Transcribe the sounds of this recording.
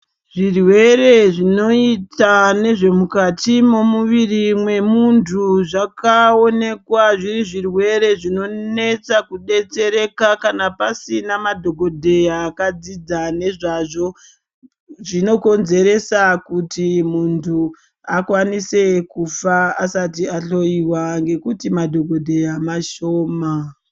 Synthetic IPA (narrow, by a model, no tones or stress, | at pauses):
ʐirwe̞ɾe̞ʐino̞itane̞ʐe̞mukatimo̞muʋirimwe̞muntʰuʐakao̞ne̞kwaʐiriʐirwe̞ɾe̞ʐino̞ne̞t͡sakuɗe̞t͡se̞ɾe̞kakanapasinamadʱo̞ɡo̞dʱe̞jakad͡zid͡zane̞ʐaʐo̞ | ʐino̞ko̞nze̞ɾe̞sakutimuntʰu | akwanise̞kufaasatiaɬo̞iwaŋɡe̞kutimadʱo̞ɡodʱe̞jamaʃoːma